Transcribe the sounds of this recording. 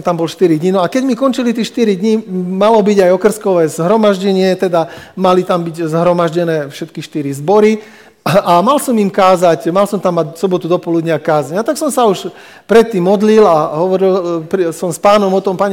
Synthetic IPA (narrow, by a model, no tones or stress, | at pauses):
mt̪ambɔlʃt̪iɾid̪ɲinɔakɛɟmikɔnt͡ʃilit̪ɛʃt̪iɾid̪ɲimalɔbiɟajɔkr̩skɔʋɛːzɦɾɔmaʒɟɛɲɪɛt̪ɛd̪amalit̪ambiɟzɦɾɔmaʒɟɛnɛːfʃɛt̪kiʃt̪iɾizbɔɾi | amalsɔmimkaːzacmalsɔmt̪amːaɟsɔbɔt̪ud̪ɔpɔlud̪ɲɪakaːzaɲat̪aksɔmsauʃ | pɾɛt̪ːiːmːɔd̪lilaɦɔʋɔɾilpsɔmspaːnɔmɔt̪ɔmpaɲ